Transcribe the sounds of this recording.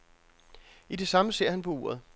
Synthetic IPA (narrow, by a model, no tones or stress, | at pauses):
ide̝sɑ̈məse̝ɐ̰hænpʰɒ̽ṵːɐð̩ˠ